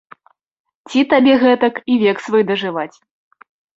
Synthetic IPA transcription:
t͡sʲit̪abʲɛɣɛt̪ɐkivʲɛksvɨjd̪ɐʐɨvat͡sʲ

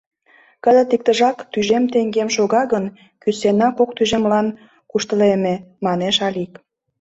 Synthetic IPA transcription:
kəzət̪ik̚t̪əʒɑkt̪yʒemt̪eŋɡemʃoɣɑɣən | kysenɑkok̚t̪yʒemlɑn | kuʃt̪əlememɑneʃɑlik

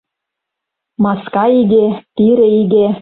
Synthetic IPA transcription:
mɑskɑiɡet̪iɾĕiɡe

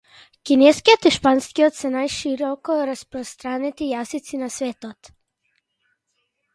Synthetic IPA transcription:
kinɛskiɔt̪iʃpanskiɔt̪sɛnajʃiɾɔkɔɾaspɾɔst̪ɾanɛt̪ijasit̪sinasvɛt̪ɔt̪

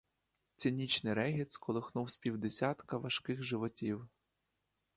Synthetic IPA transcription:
t̪t͡sʲinʲit͡ʃnɪɾɛɦʲit̪skɔlˠɪxnuwsʲpʲiwd̪esʲat̪kɐʋɐʃkɪxʒɪʋɔtʲiw

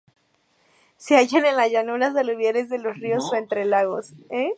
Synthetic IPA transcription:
seaʝanenlazʝanuɾas̬aluβjeɾe̞zðe̞lo̞srio̞so̞ent̪ɾe̞laɣo̞se

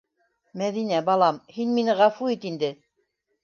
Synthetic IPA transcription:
mæðinæbɑlˠɑmhinminɘʁɑfuit̪ind̪ɘ

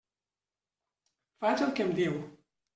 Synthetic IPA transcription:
fat͡ʃalˠkemd̪iw

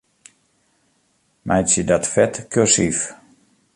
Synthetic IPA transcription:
mʔɛjsjədɔtfɛtkʰøsif

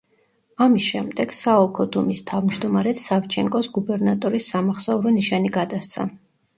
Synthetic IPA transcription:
amisʃɛmd̪ɛɡ̥saɔlˠkʰɔd̪umist̪ʰavmd͡ʒd̪ɔmaɾɛt̪ʰsaft͡ʃʰɛŋkʼɔsɡubɛɾnat̪ʼɔɾisːamaχsauɾɔniʃaniɡad̪ast̪sʰa̰

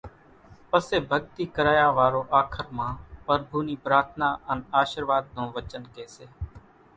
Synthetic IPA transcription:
pəseːbʱəɡ̚t̪iːkəɾaːjaːʋaːɾoːʔaːkʰəɾmãːpəɾbʱuːniːpɾaːt̪ʰnaːʔənaːʃəɾʋaːd̪̚nõːʋət͡ʃənkeːseː

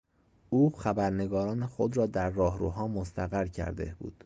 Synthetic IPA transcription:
uːxæbæɾne̞ɡɒːɾɒːnexod̪ɾɒːd̪æɾːɒːɦɾṵːɦɒːmost̪ʰæɣæɾcʰæ̰ɾd̪ḛbṵːd̪̥

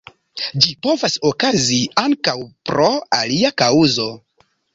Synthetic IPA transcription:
d͡ʒipo̞vaso̞kaziaŋkawpɾo̞aliakauzo̞

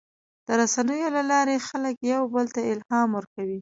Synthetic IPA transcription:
d̪̥əɾasanəjolalɑɾexaləkjawbəlt̪aɪlhɑmwəɾkawi

